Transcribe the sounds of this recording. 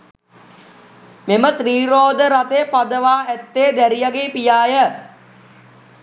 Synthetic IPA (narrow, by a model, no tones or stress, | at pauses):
memət̪riːɾoːd̪əɾat̪epad̪əʋaːæt̪ːeːd̪æɾijaɡeːpijaːjə